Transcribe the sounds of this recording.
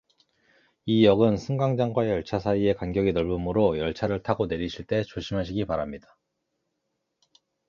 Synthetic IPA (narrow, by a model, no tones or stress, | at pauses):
ijʌɡɯnsʰɯŋɡaŋd͡ʑaŋɡwajʌɭt͡ɕʰasʰaie̞kanɡjʌɡinʌɭbumɯɾojʌɭt͡ɕʰaɾɯɭtʰaɡone̞ɾiɕʰiɭt͈e̞t͡ɕoɕʰimɦaɕ̬ʰiɡipaɾamɲidḁ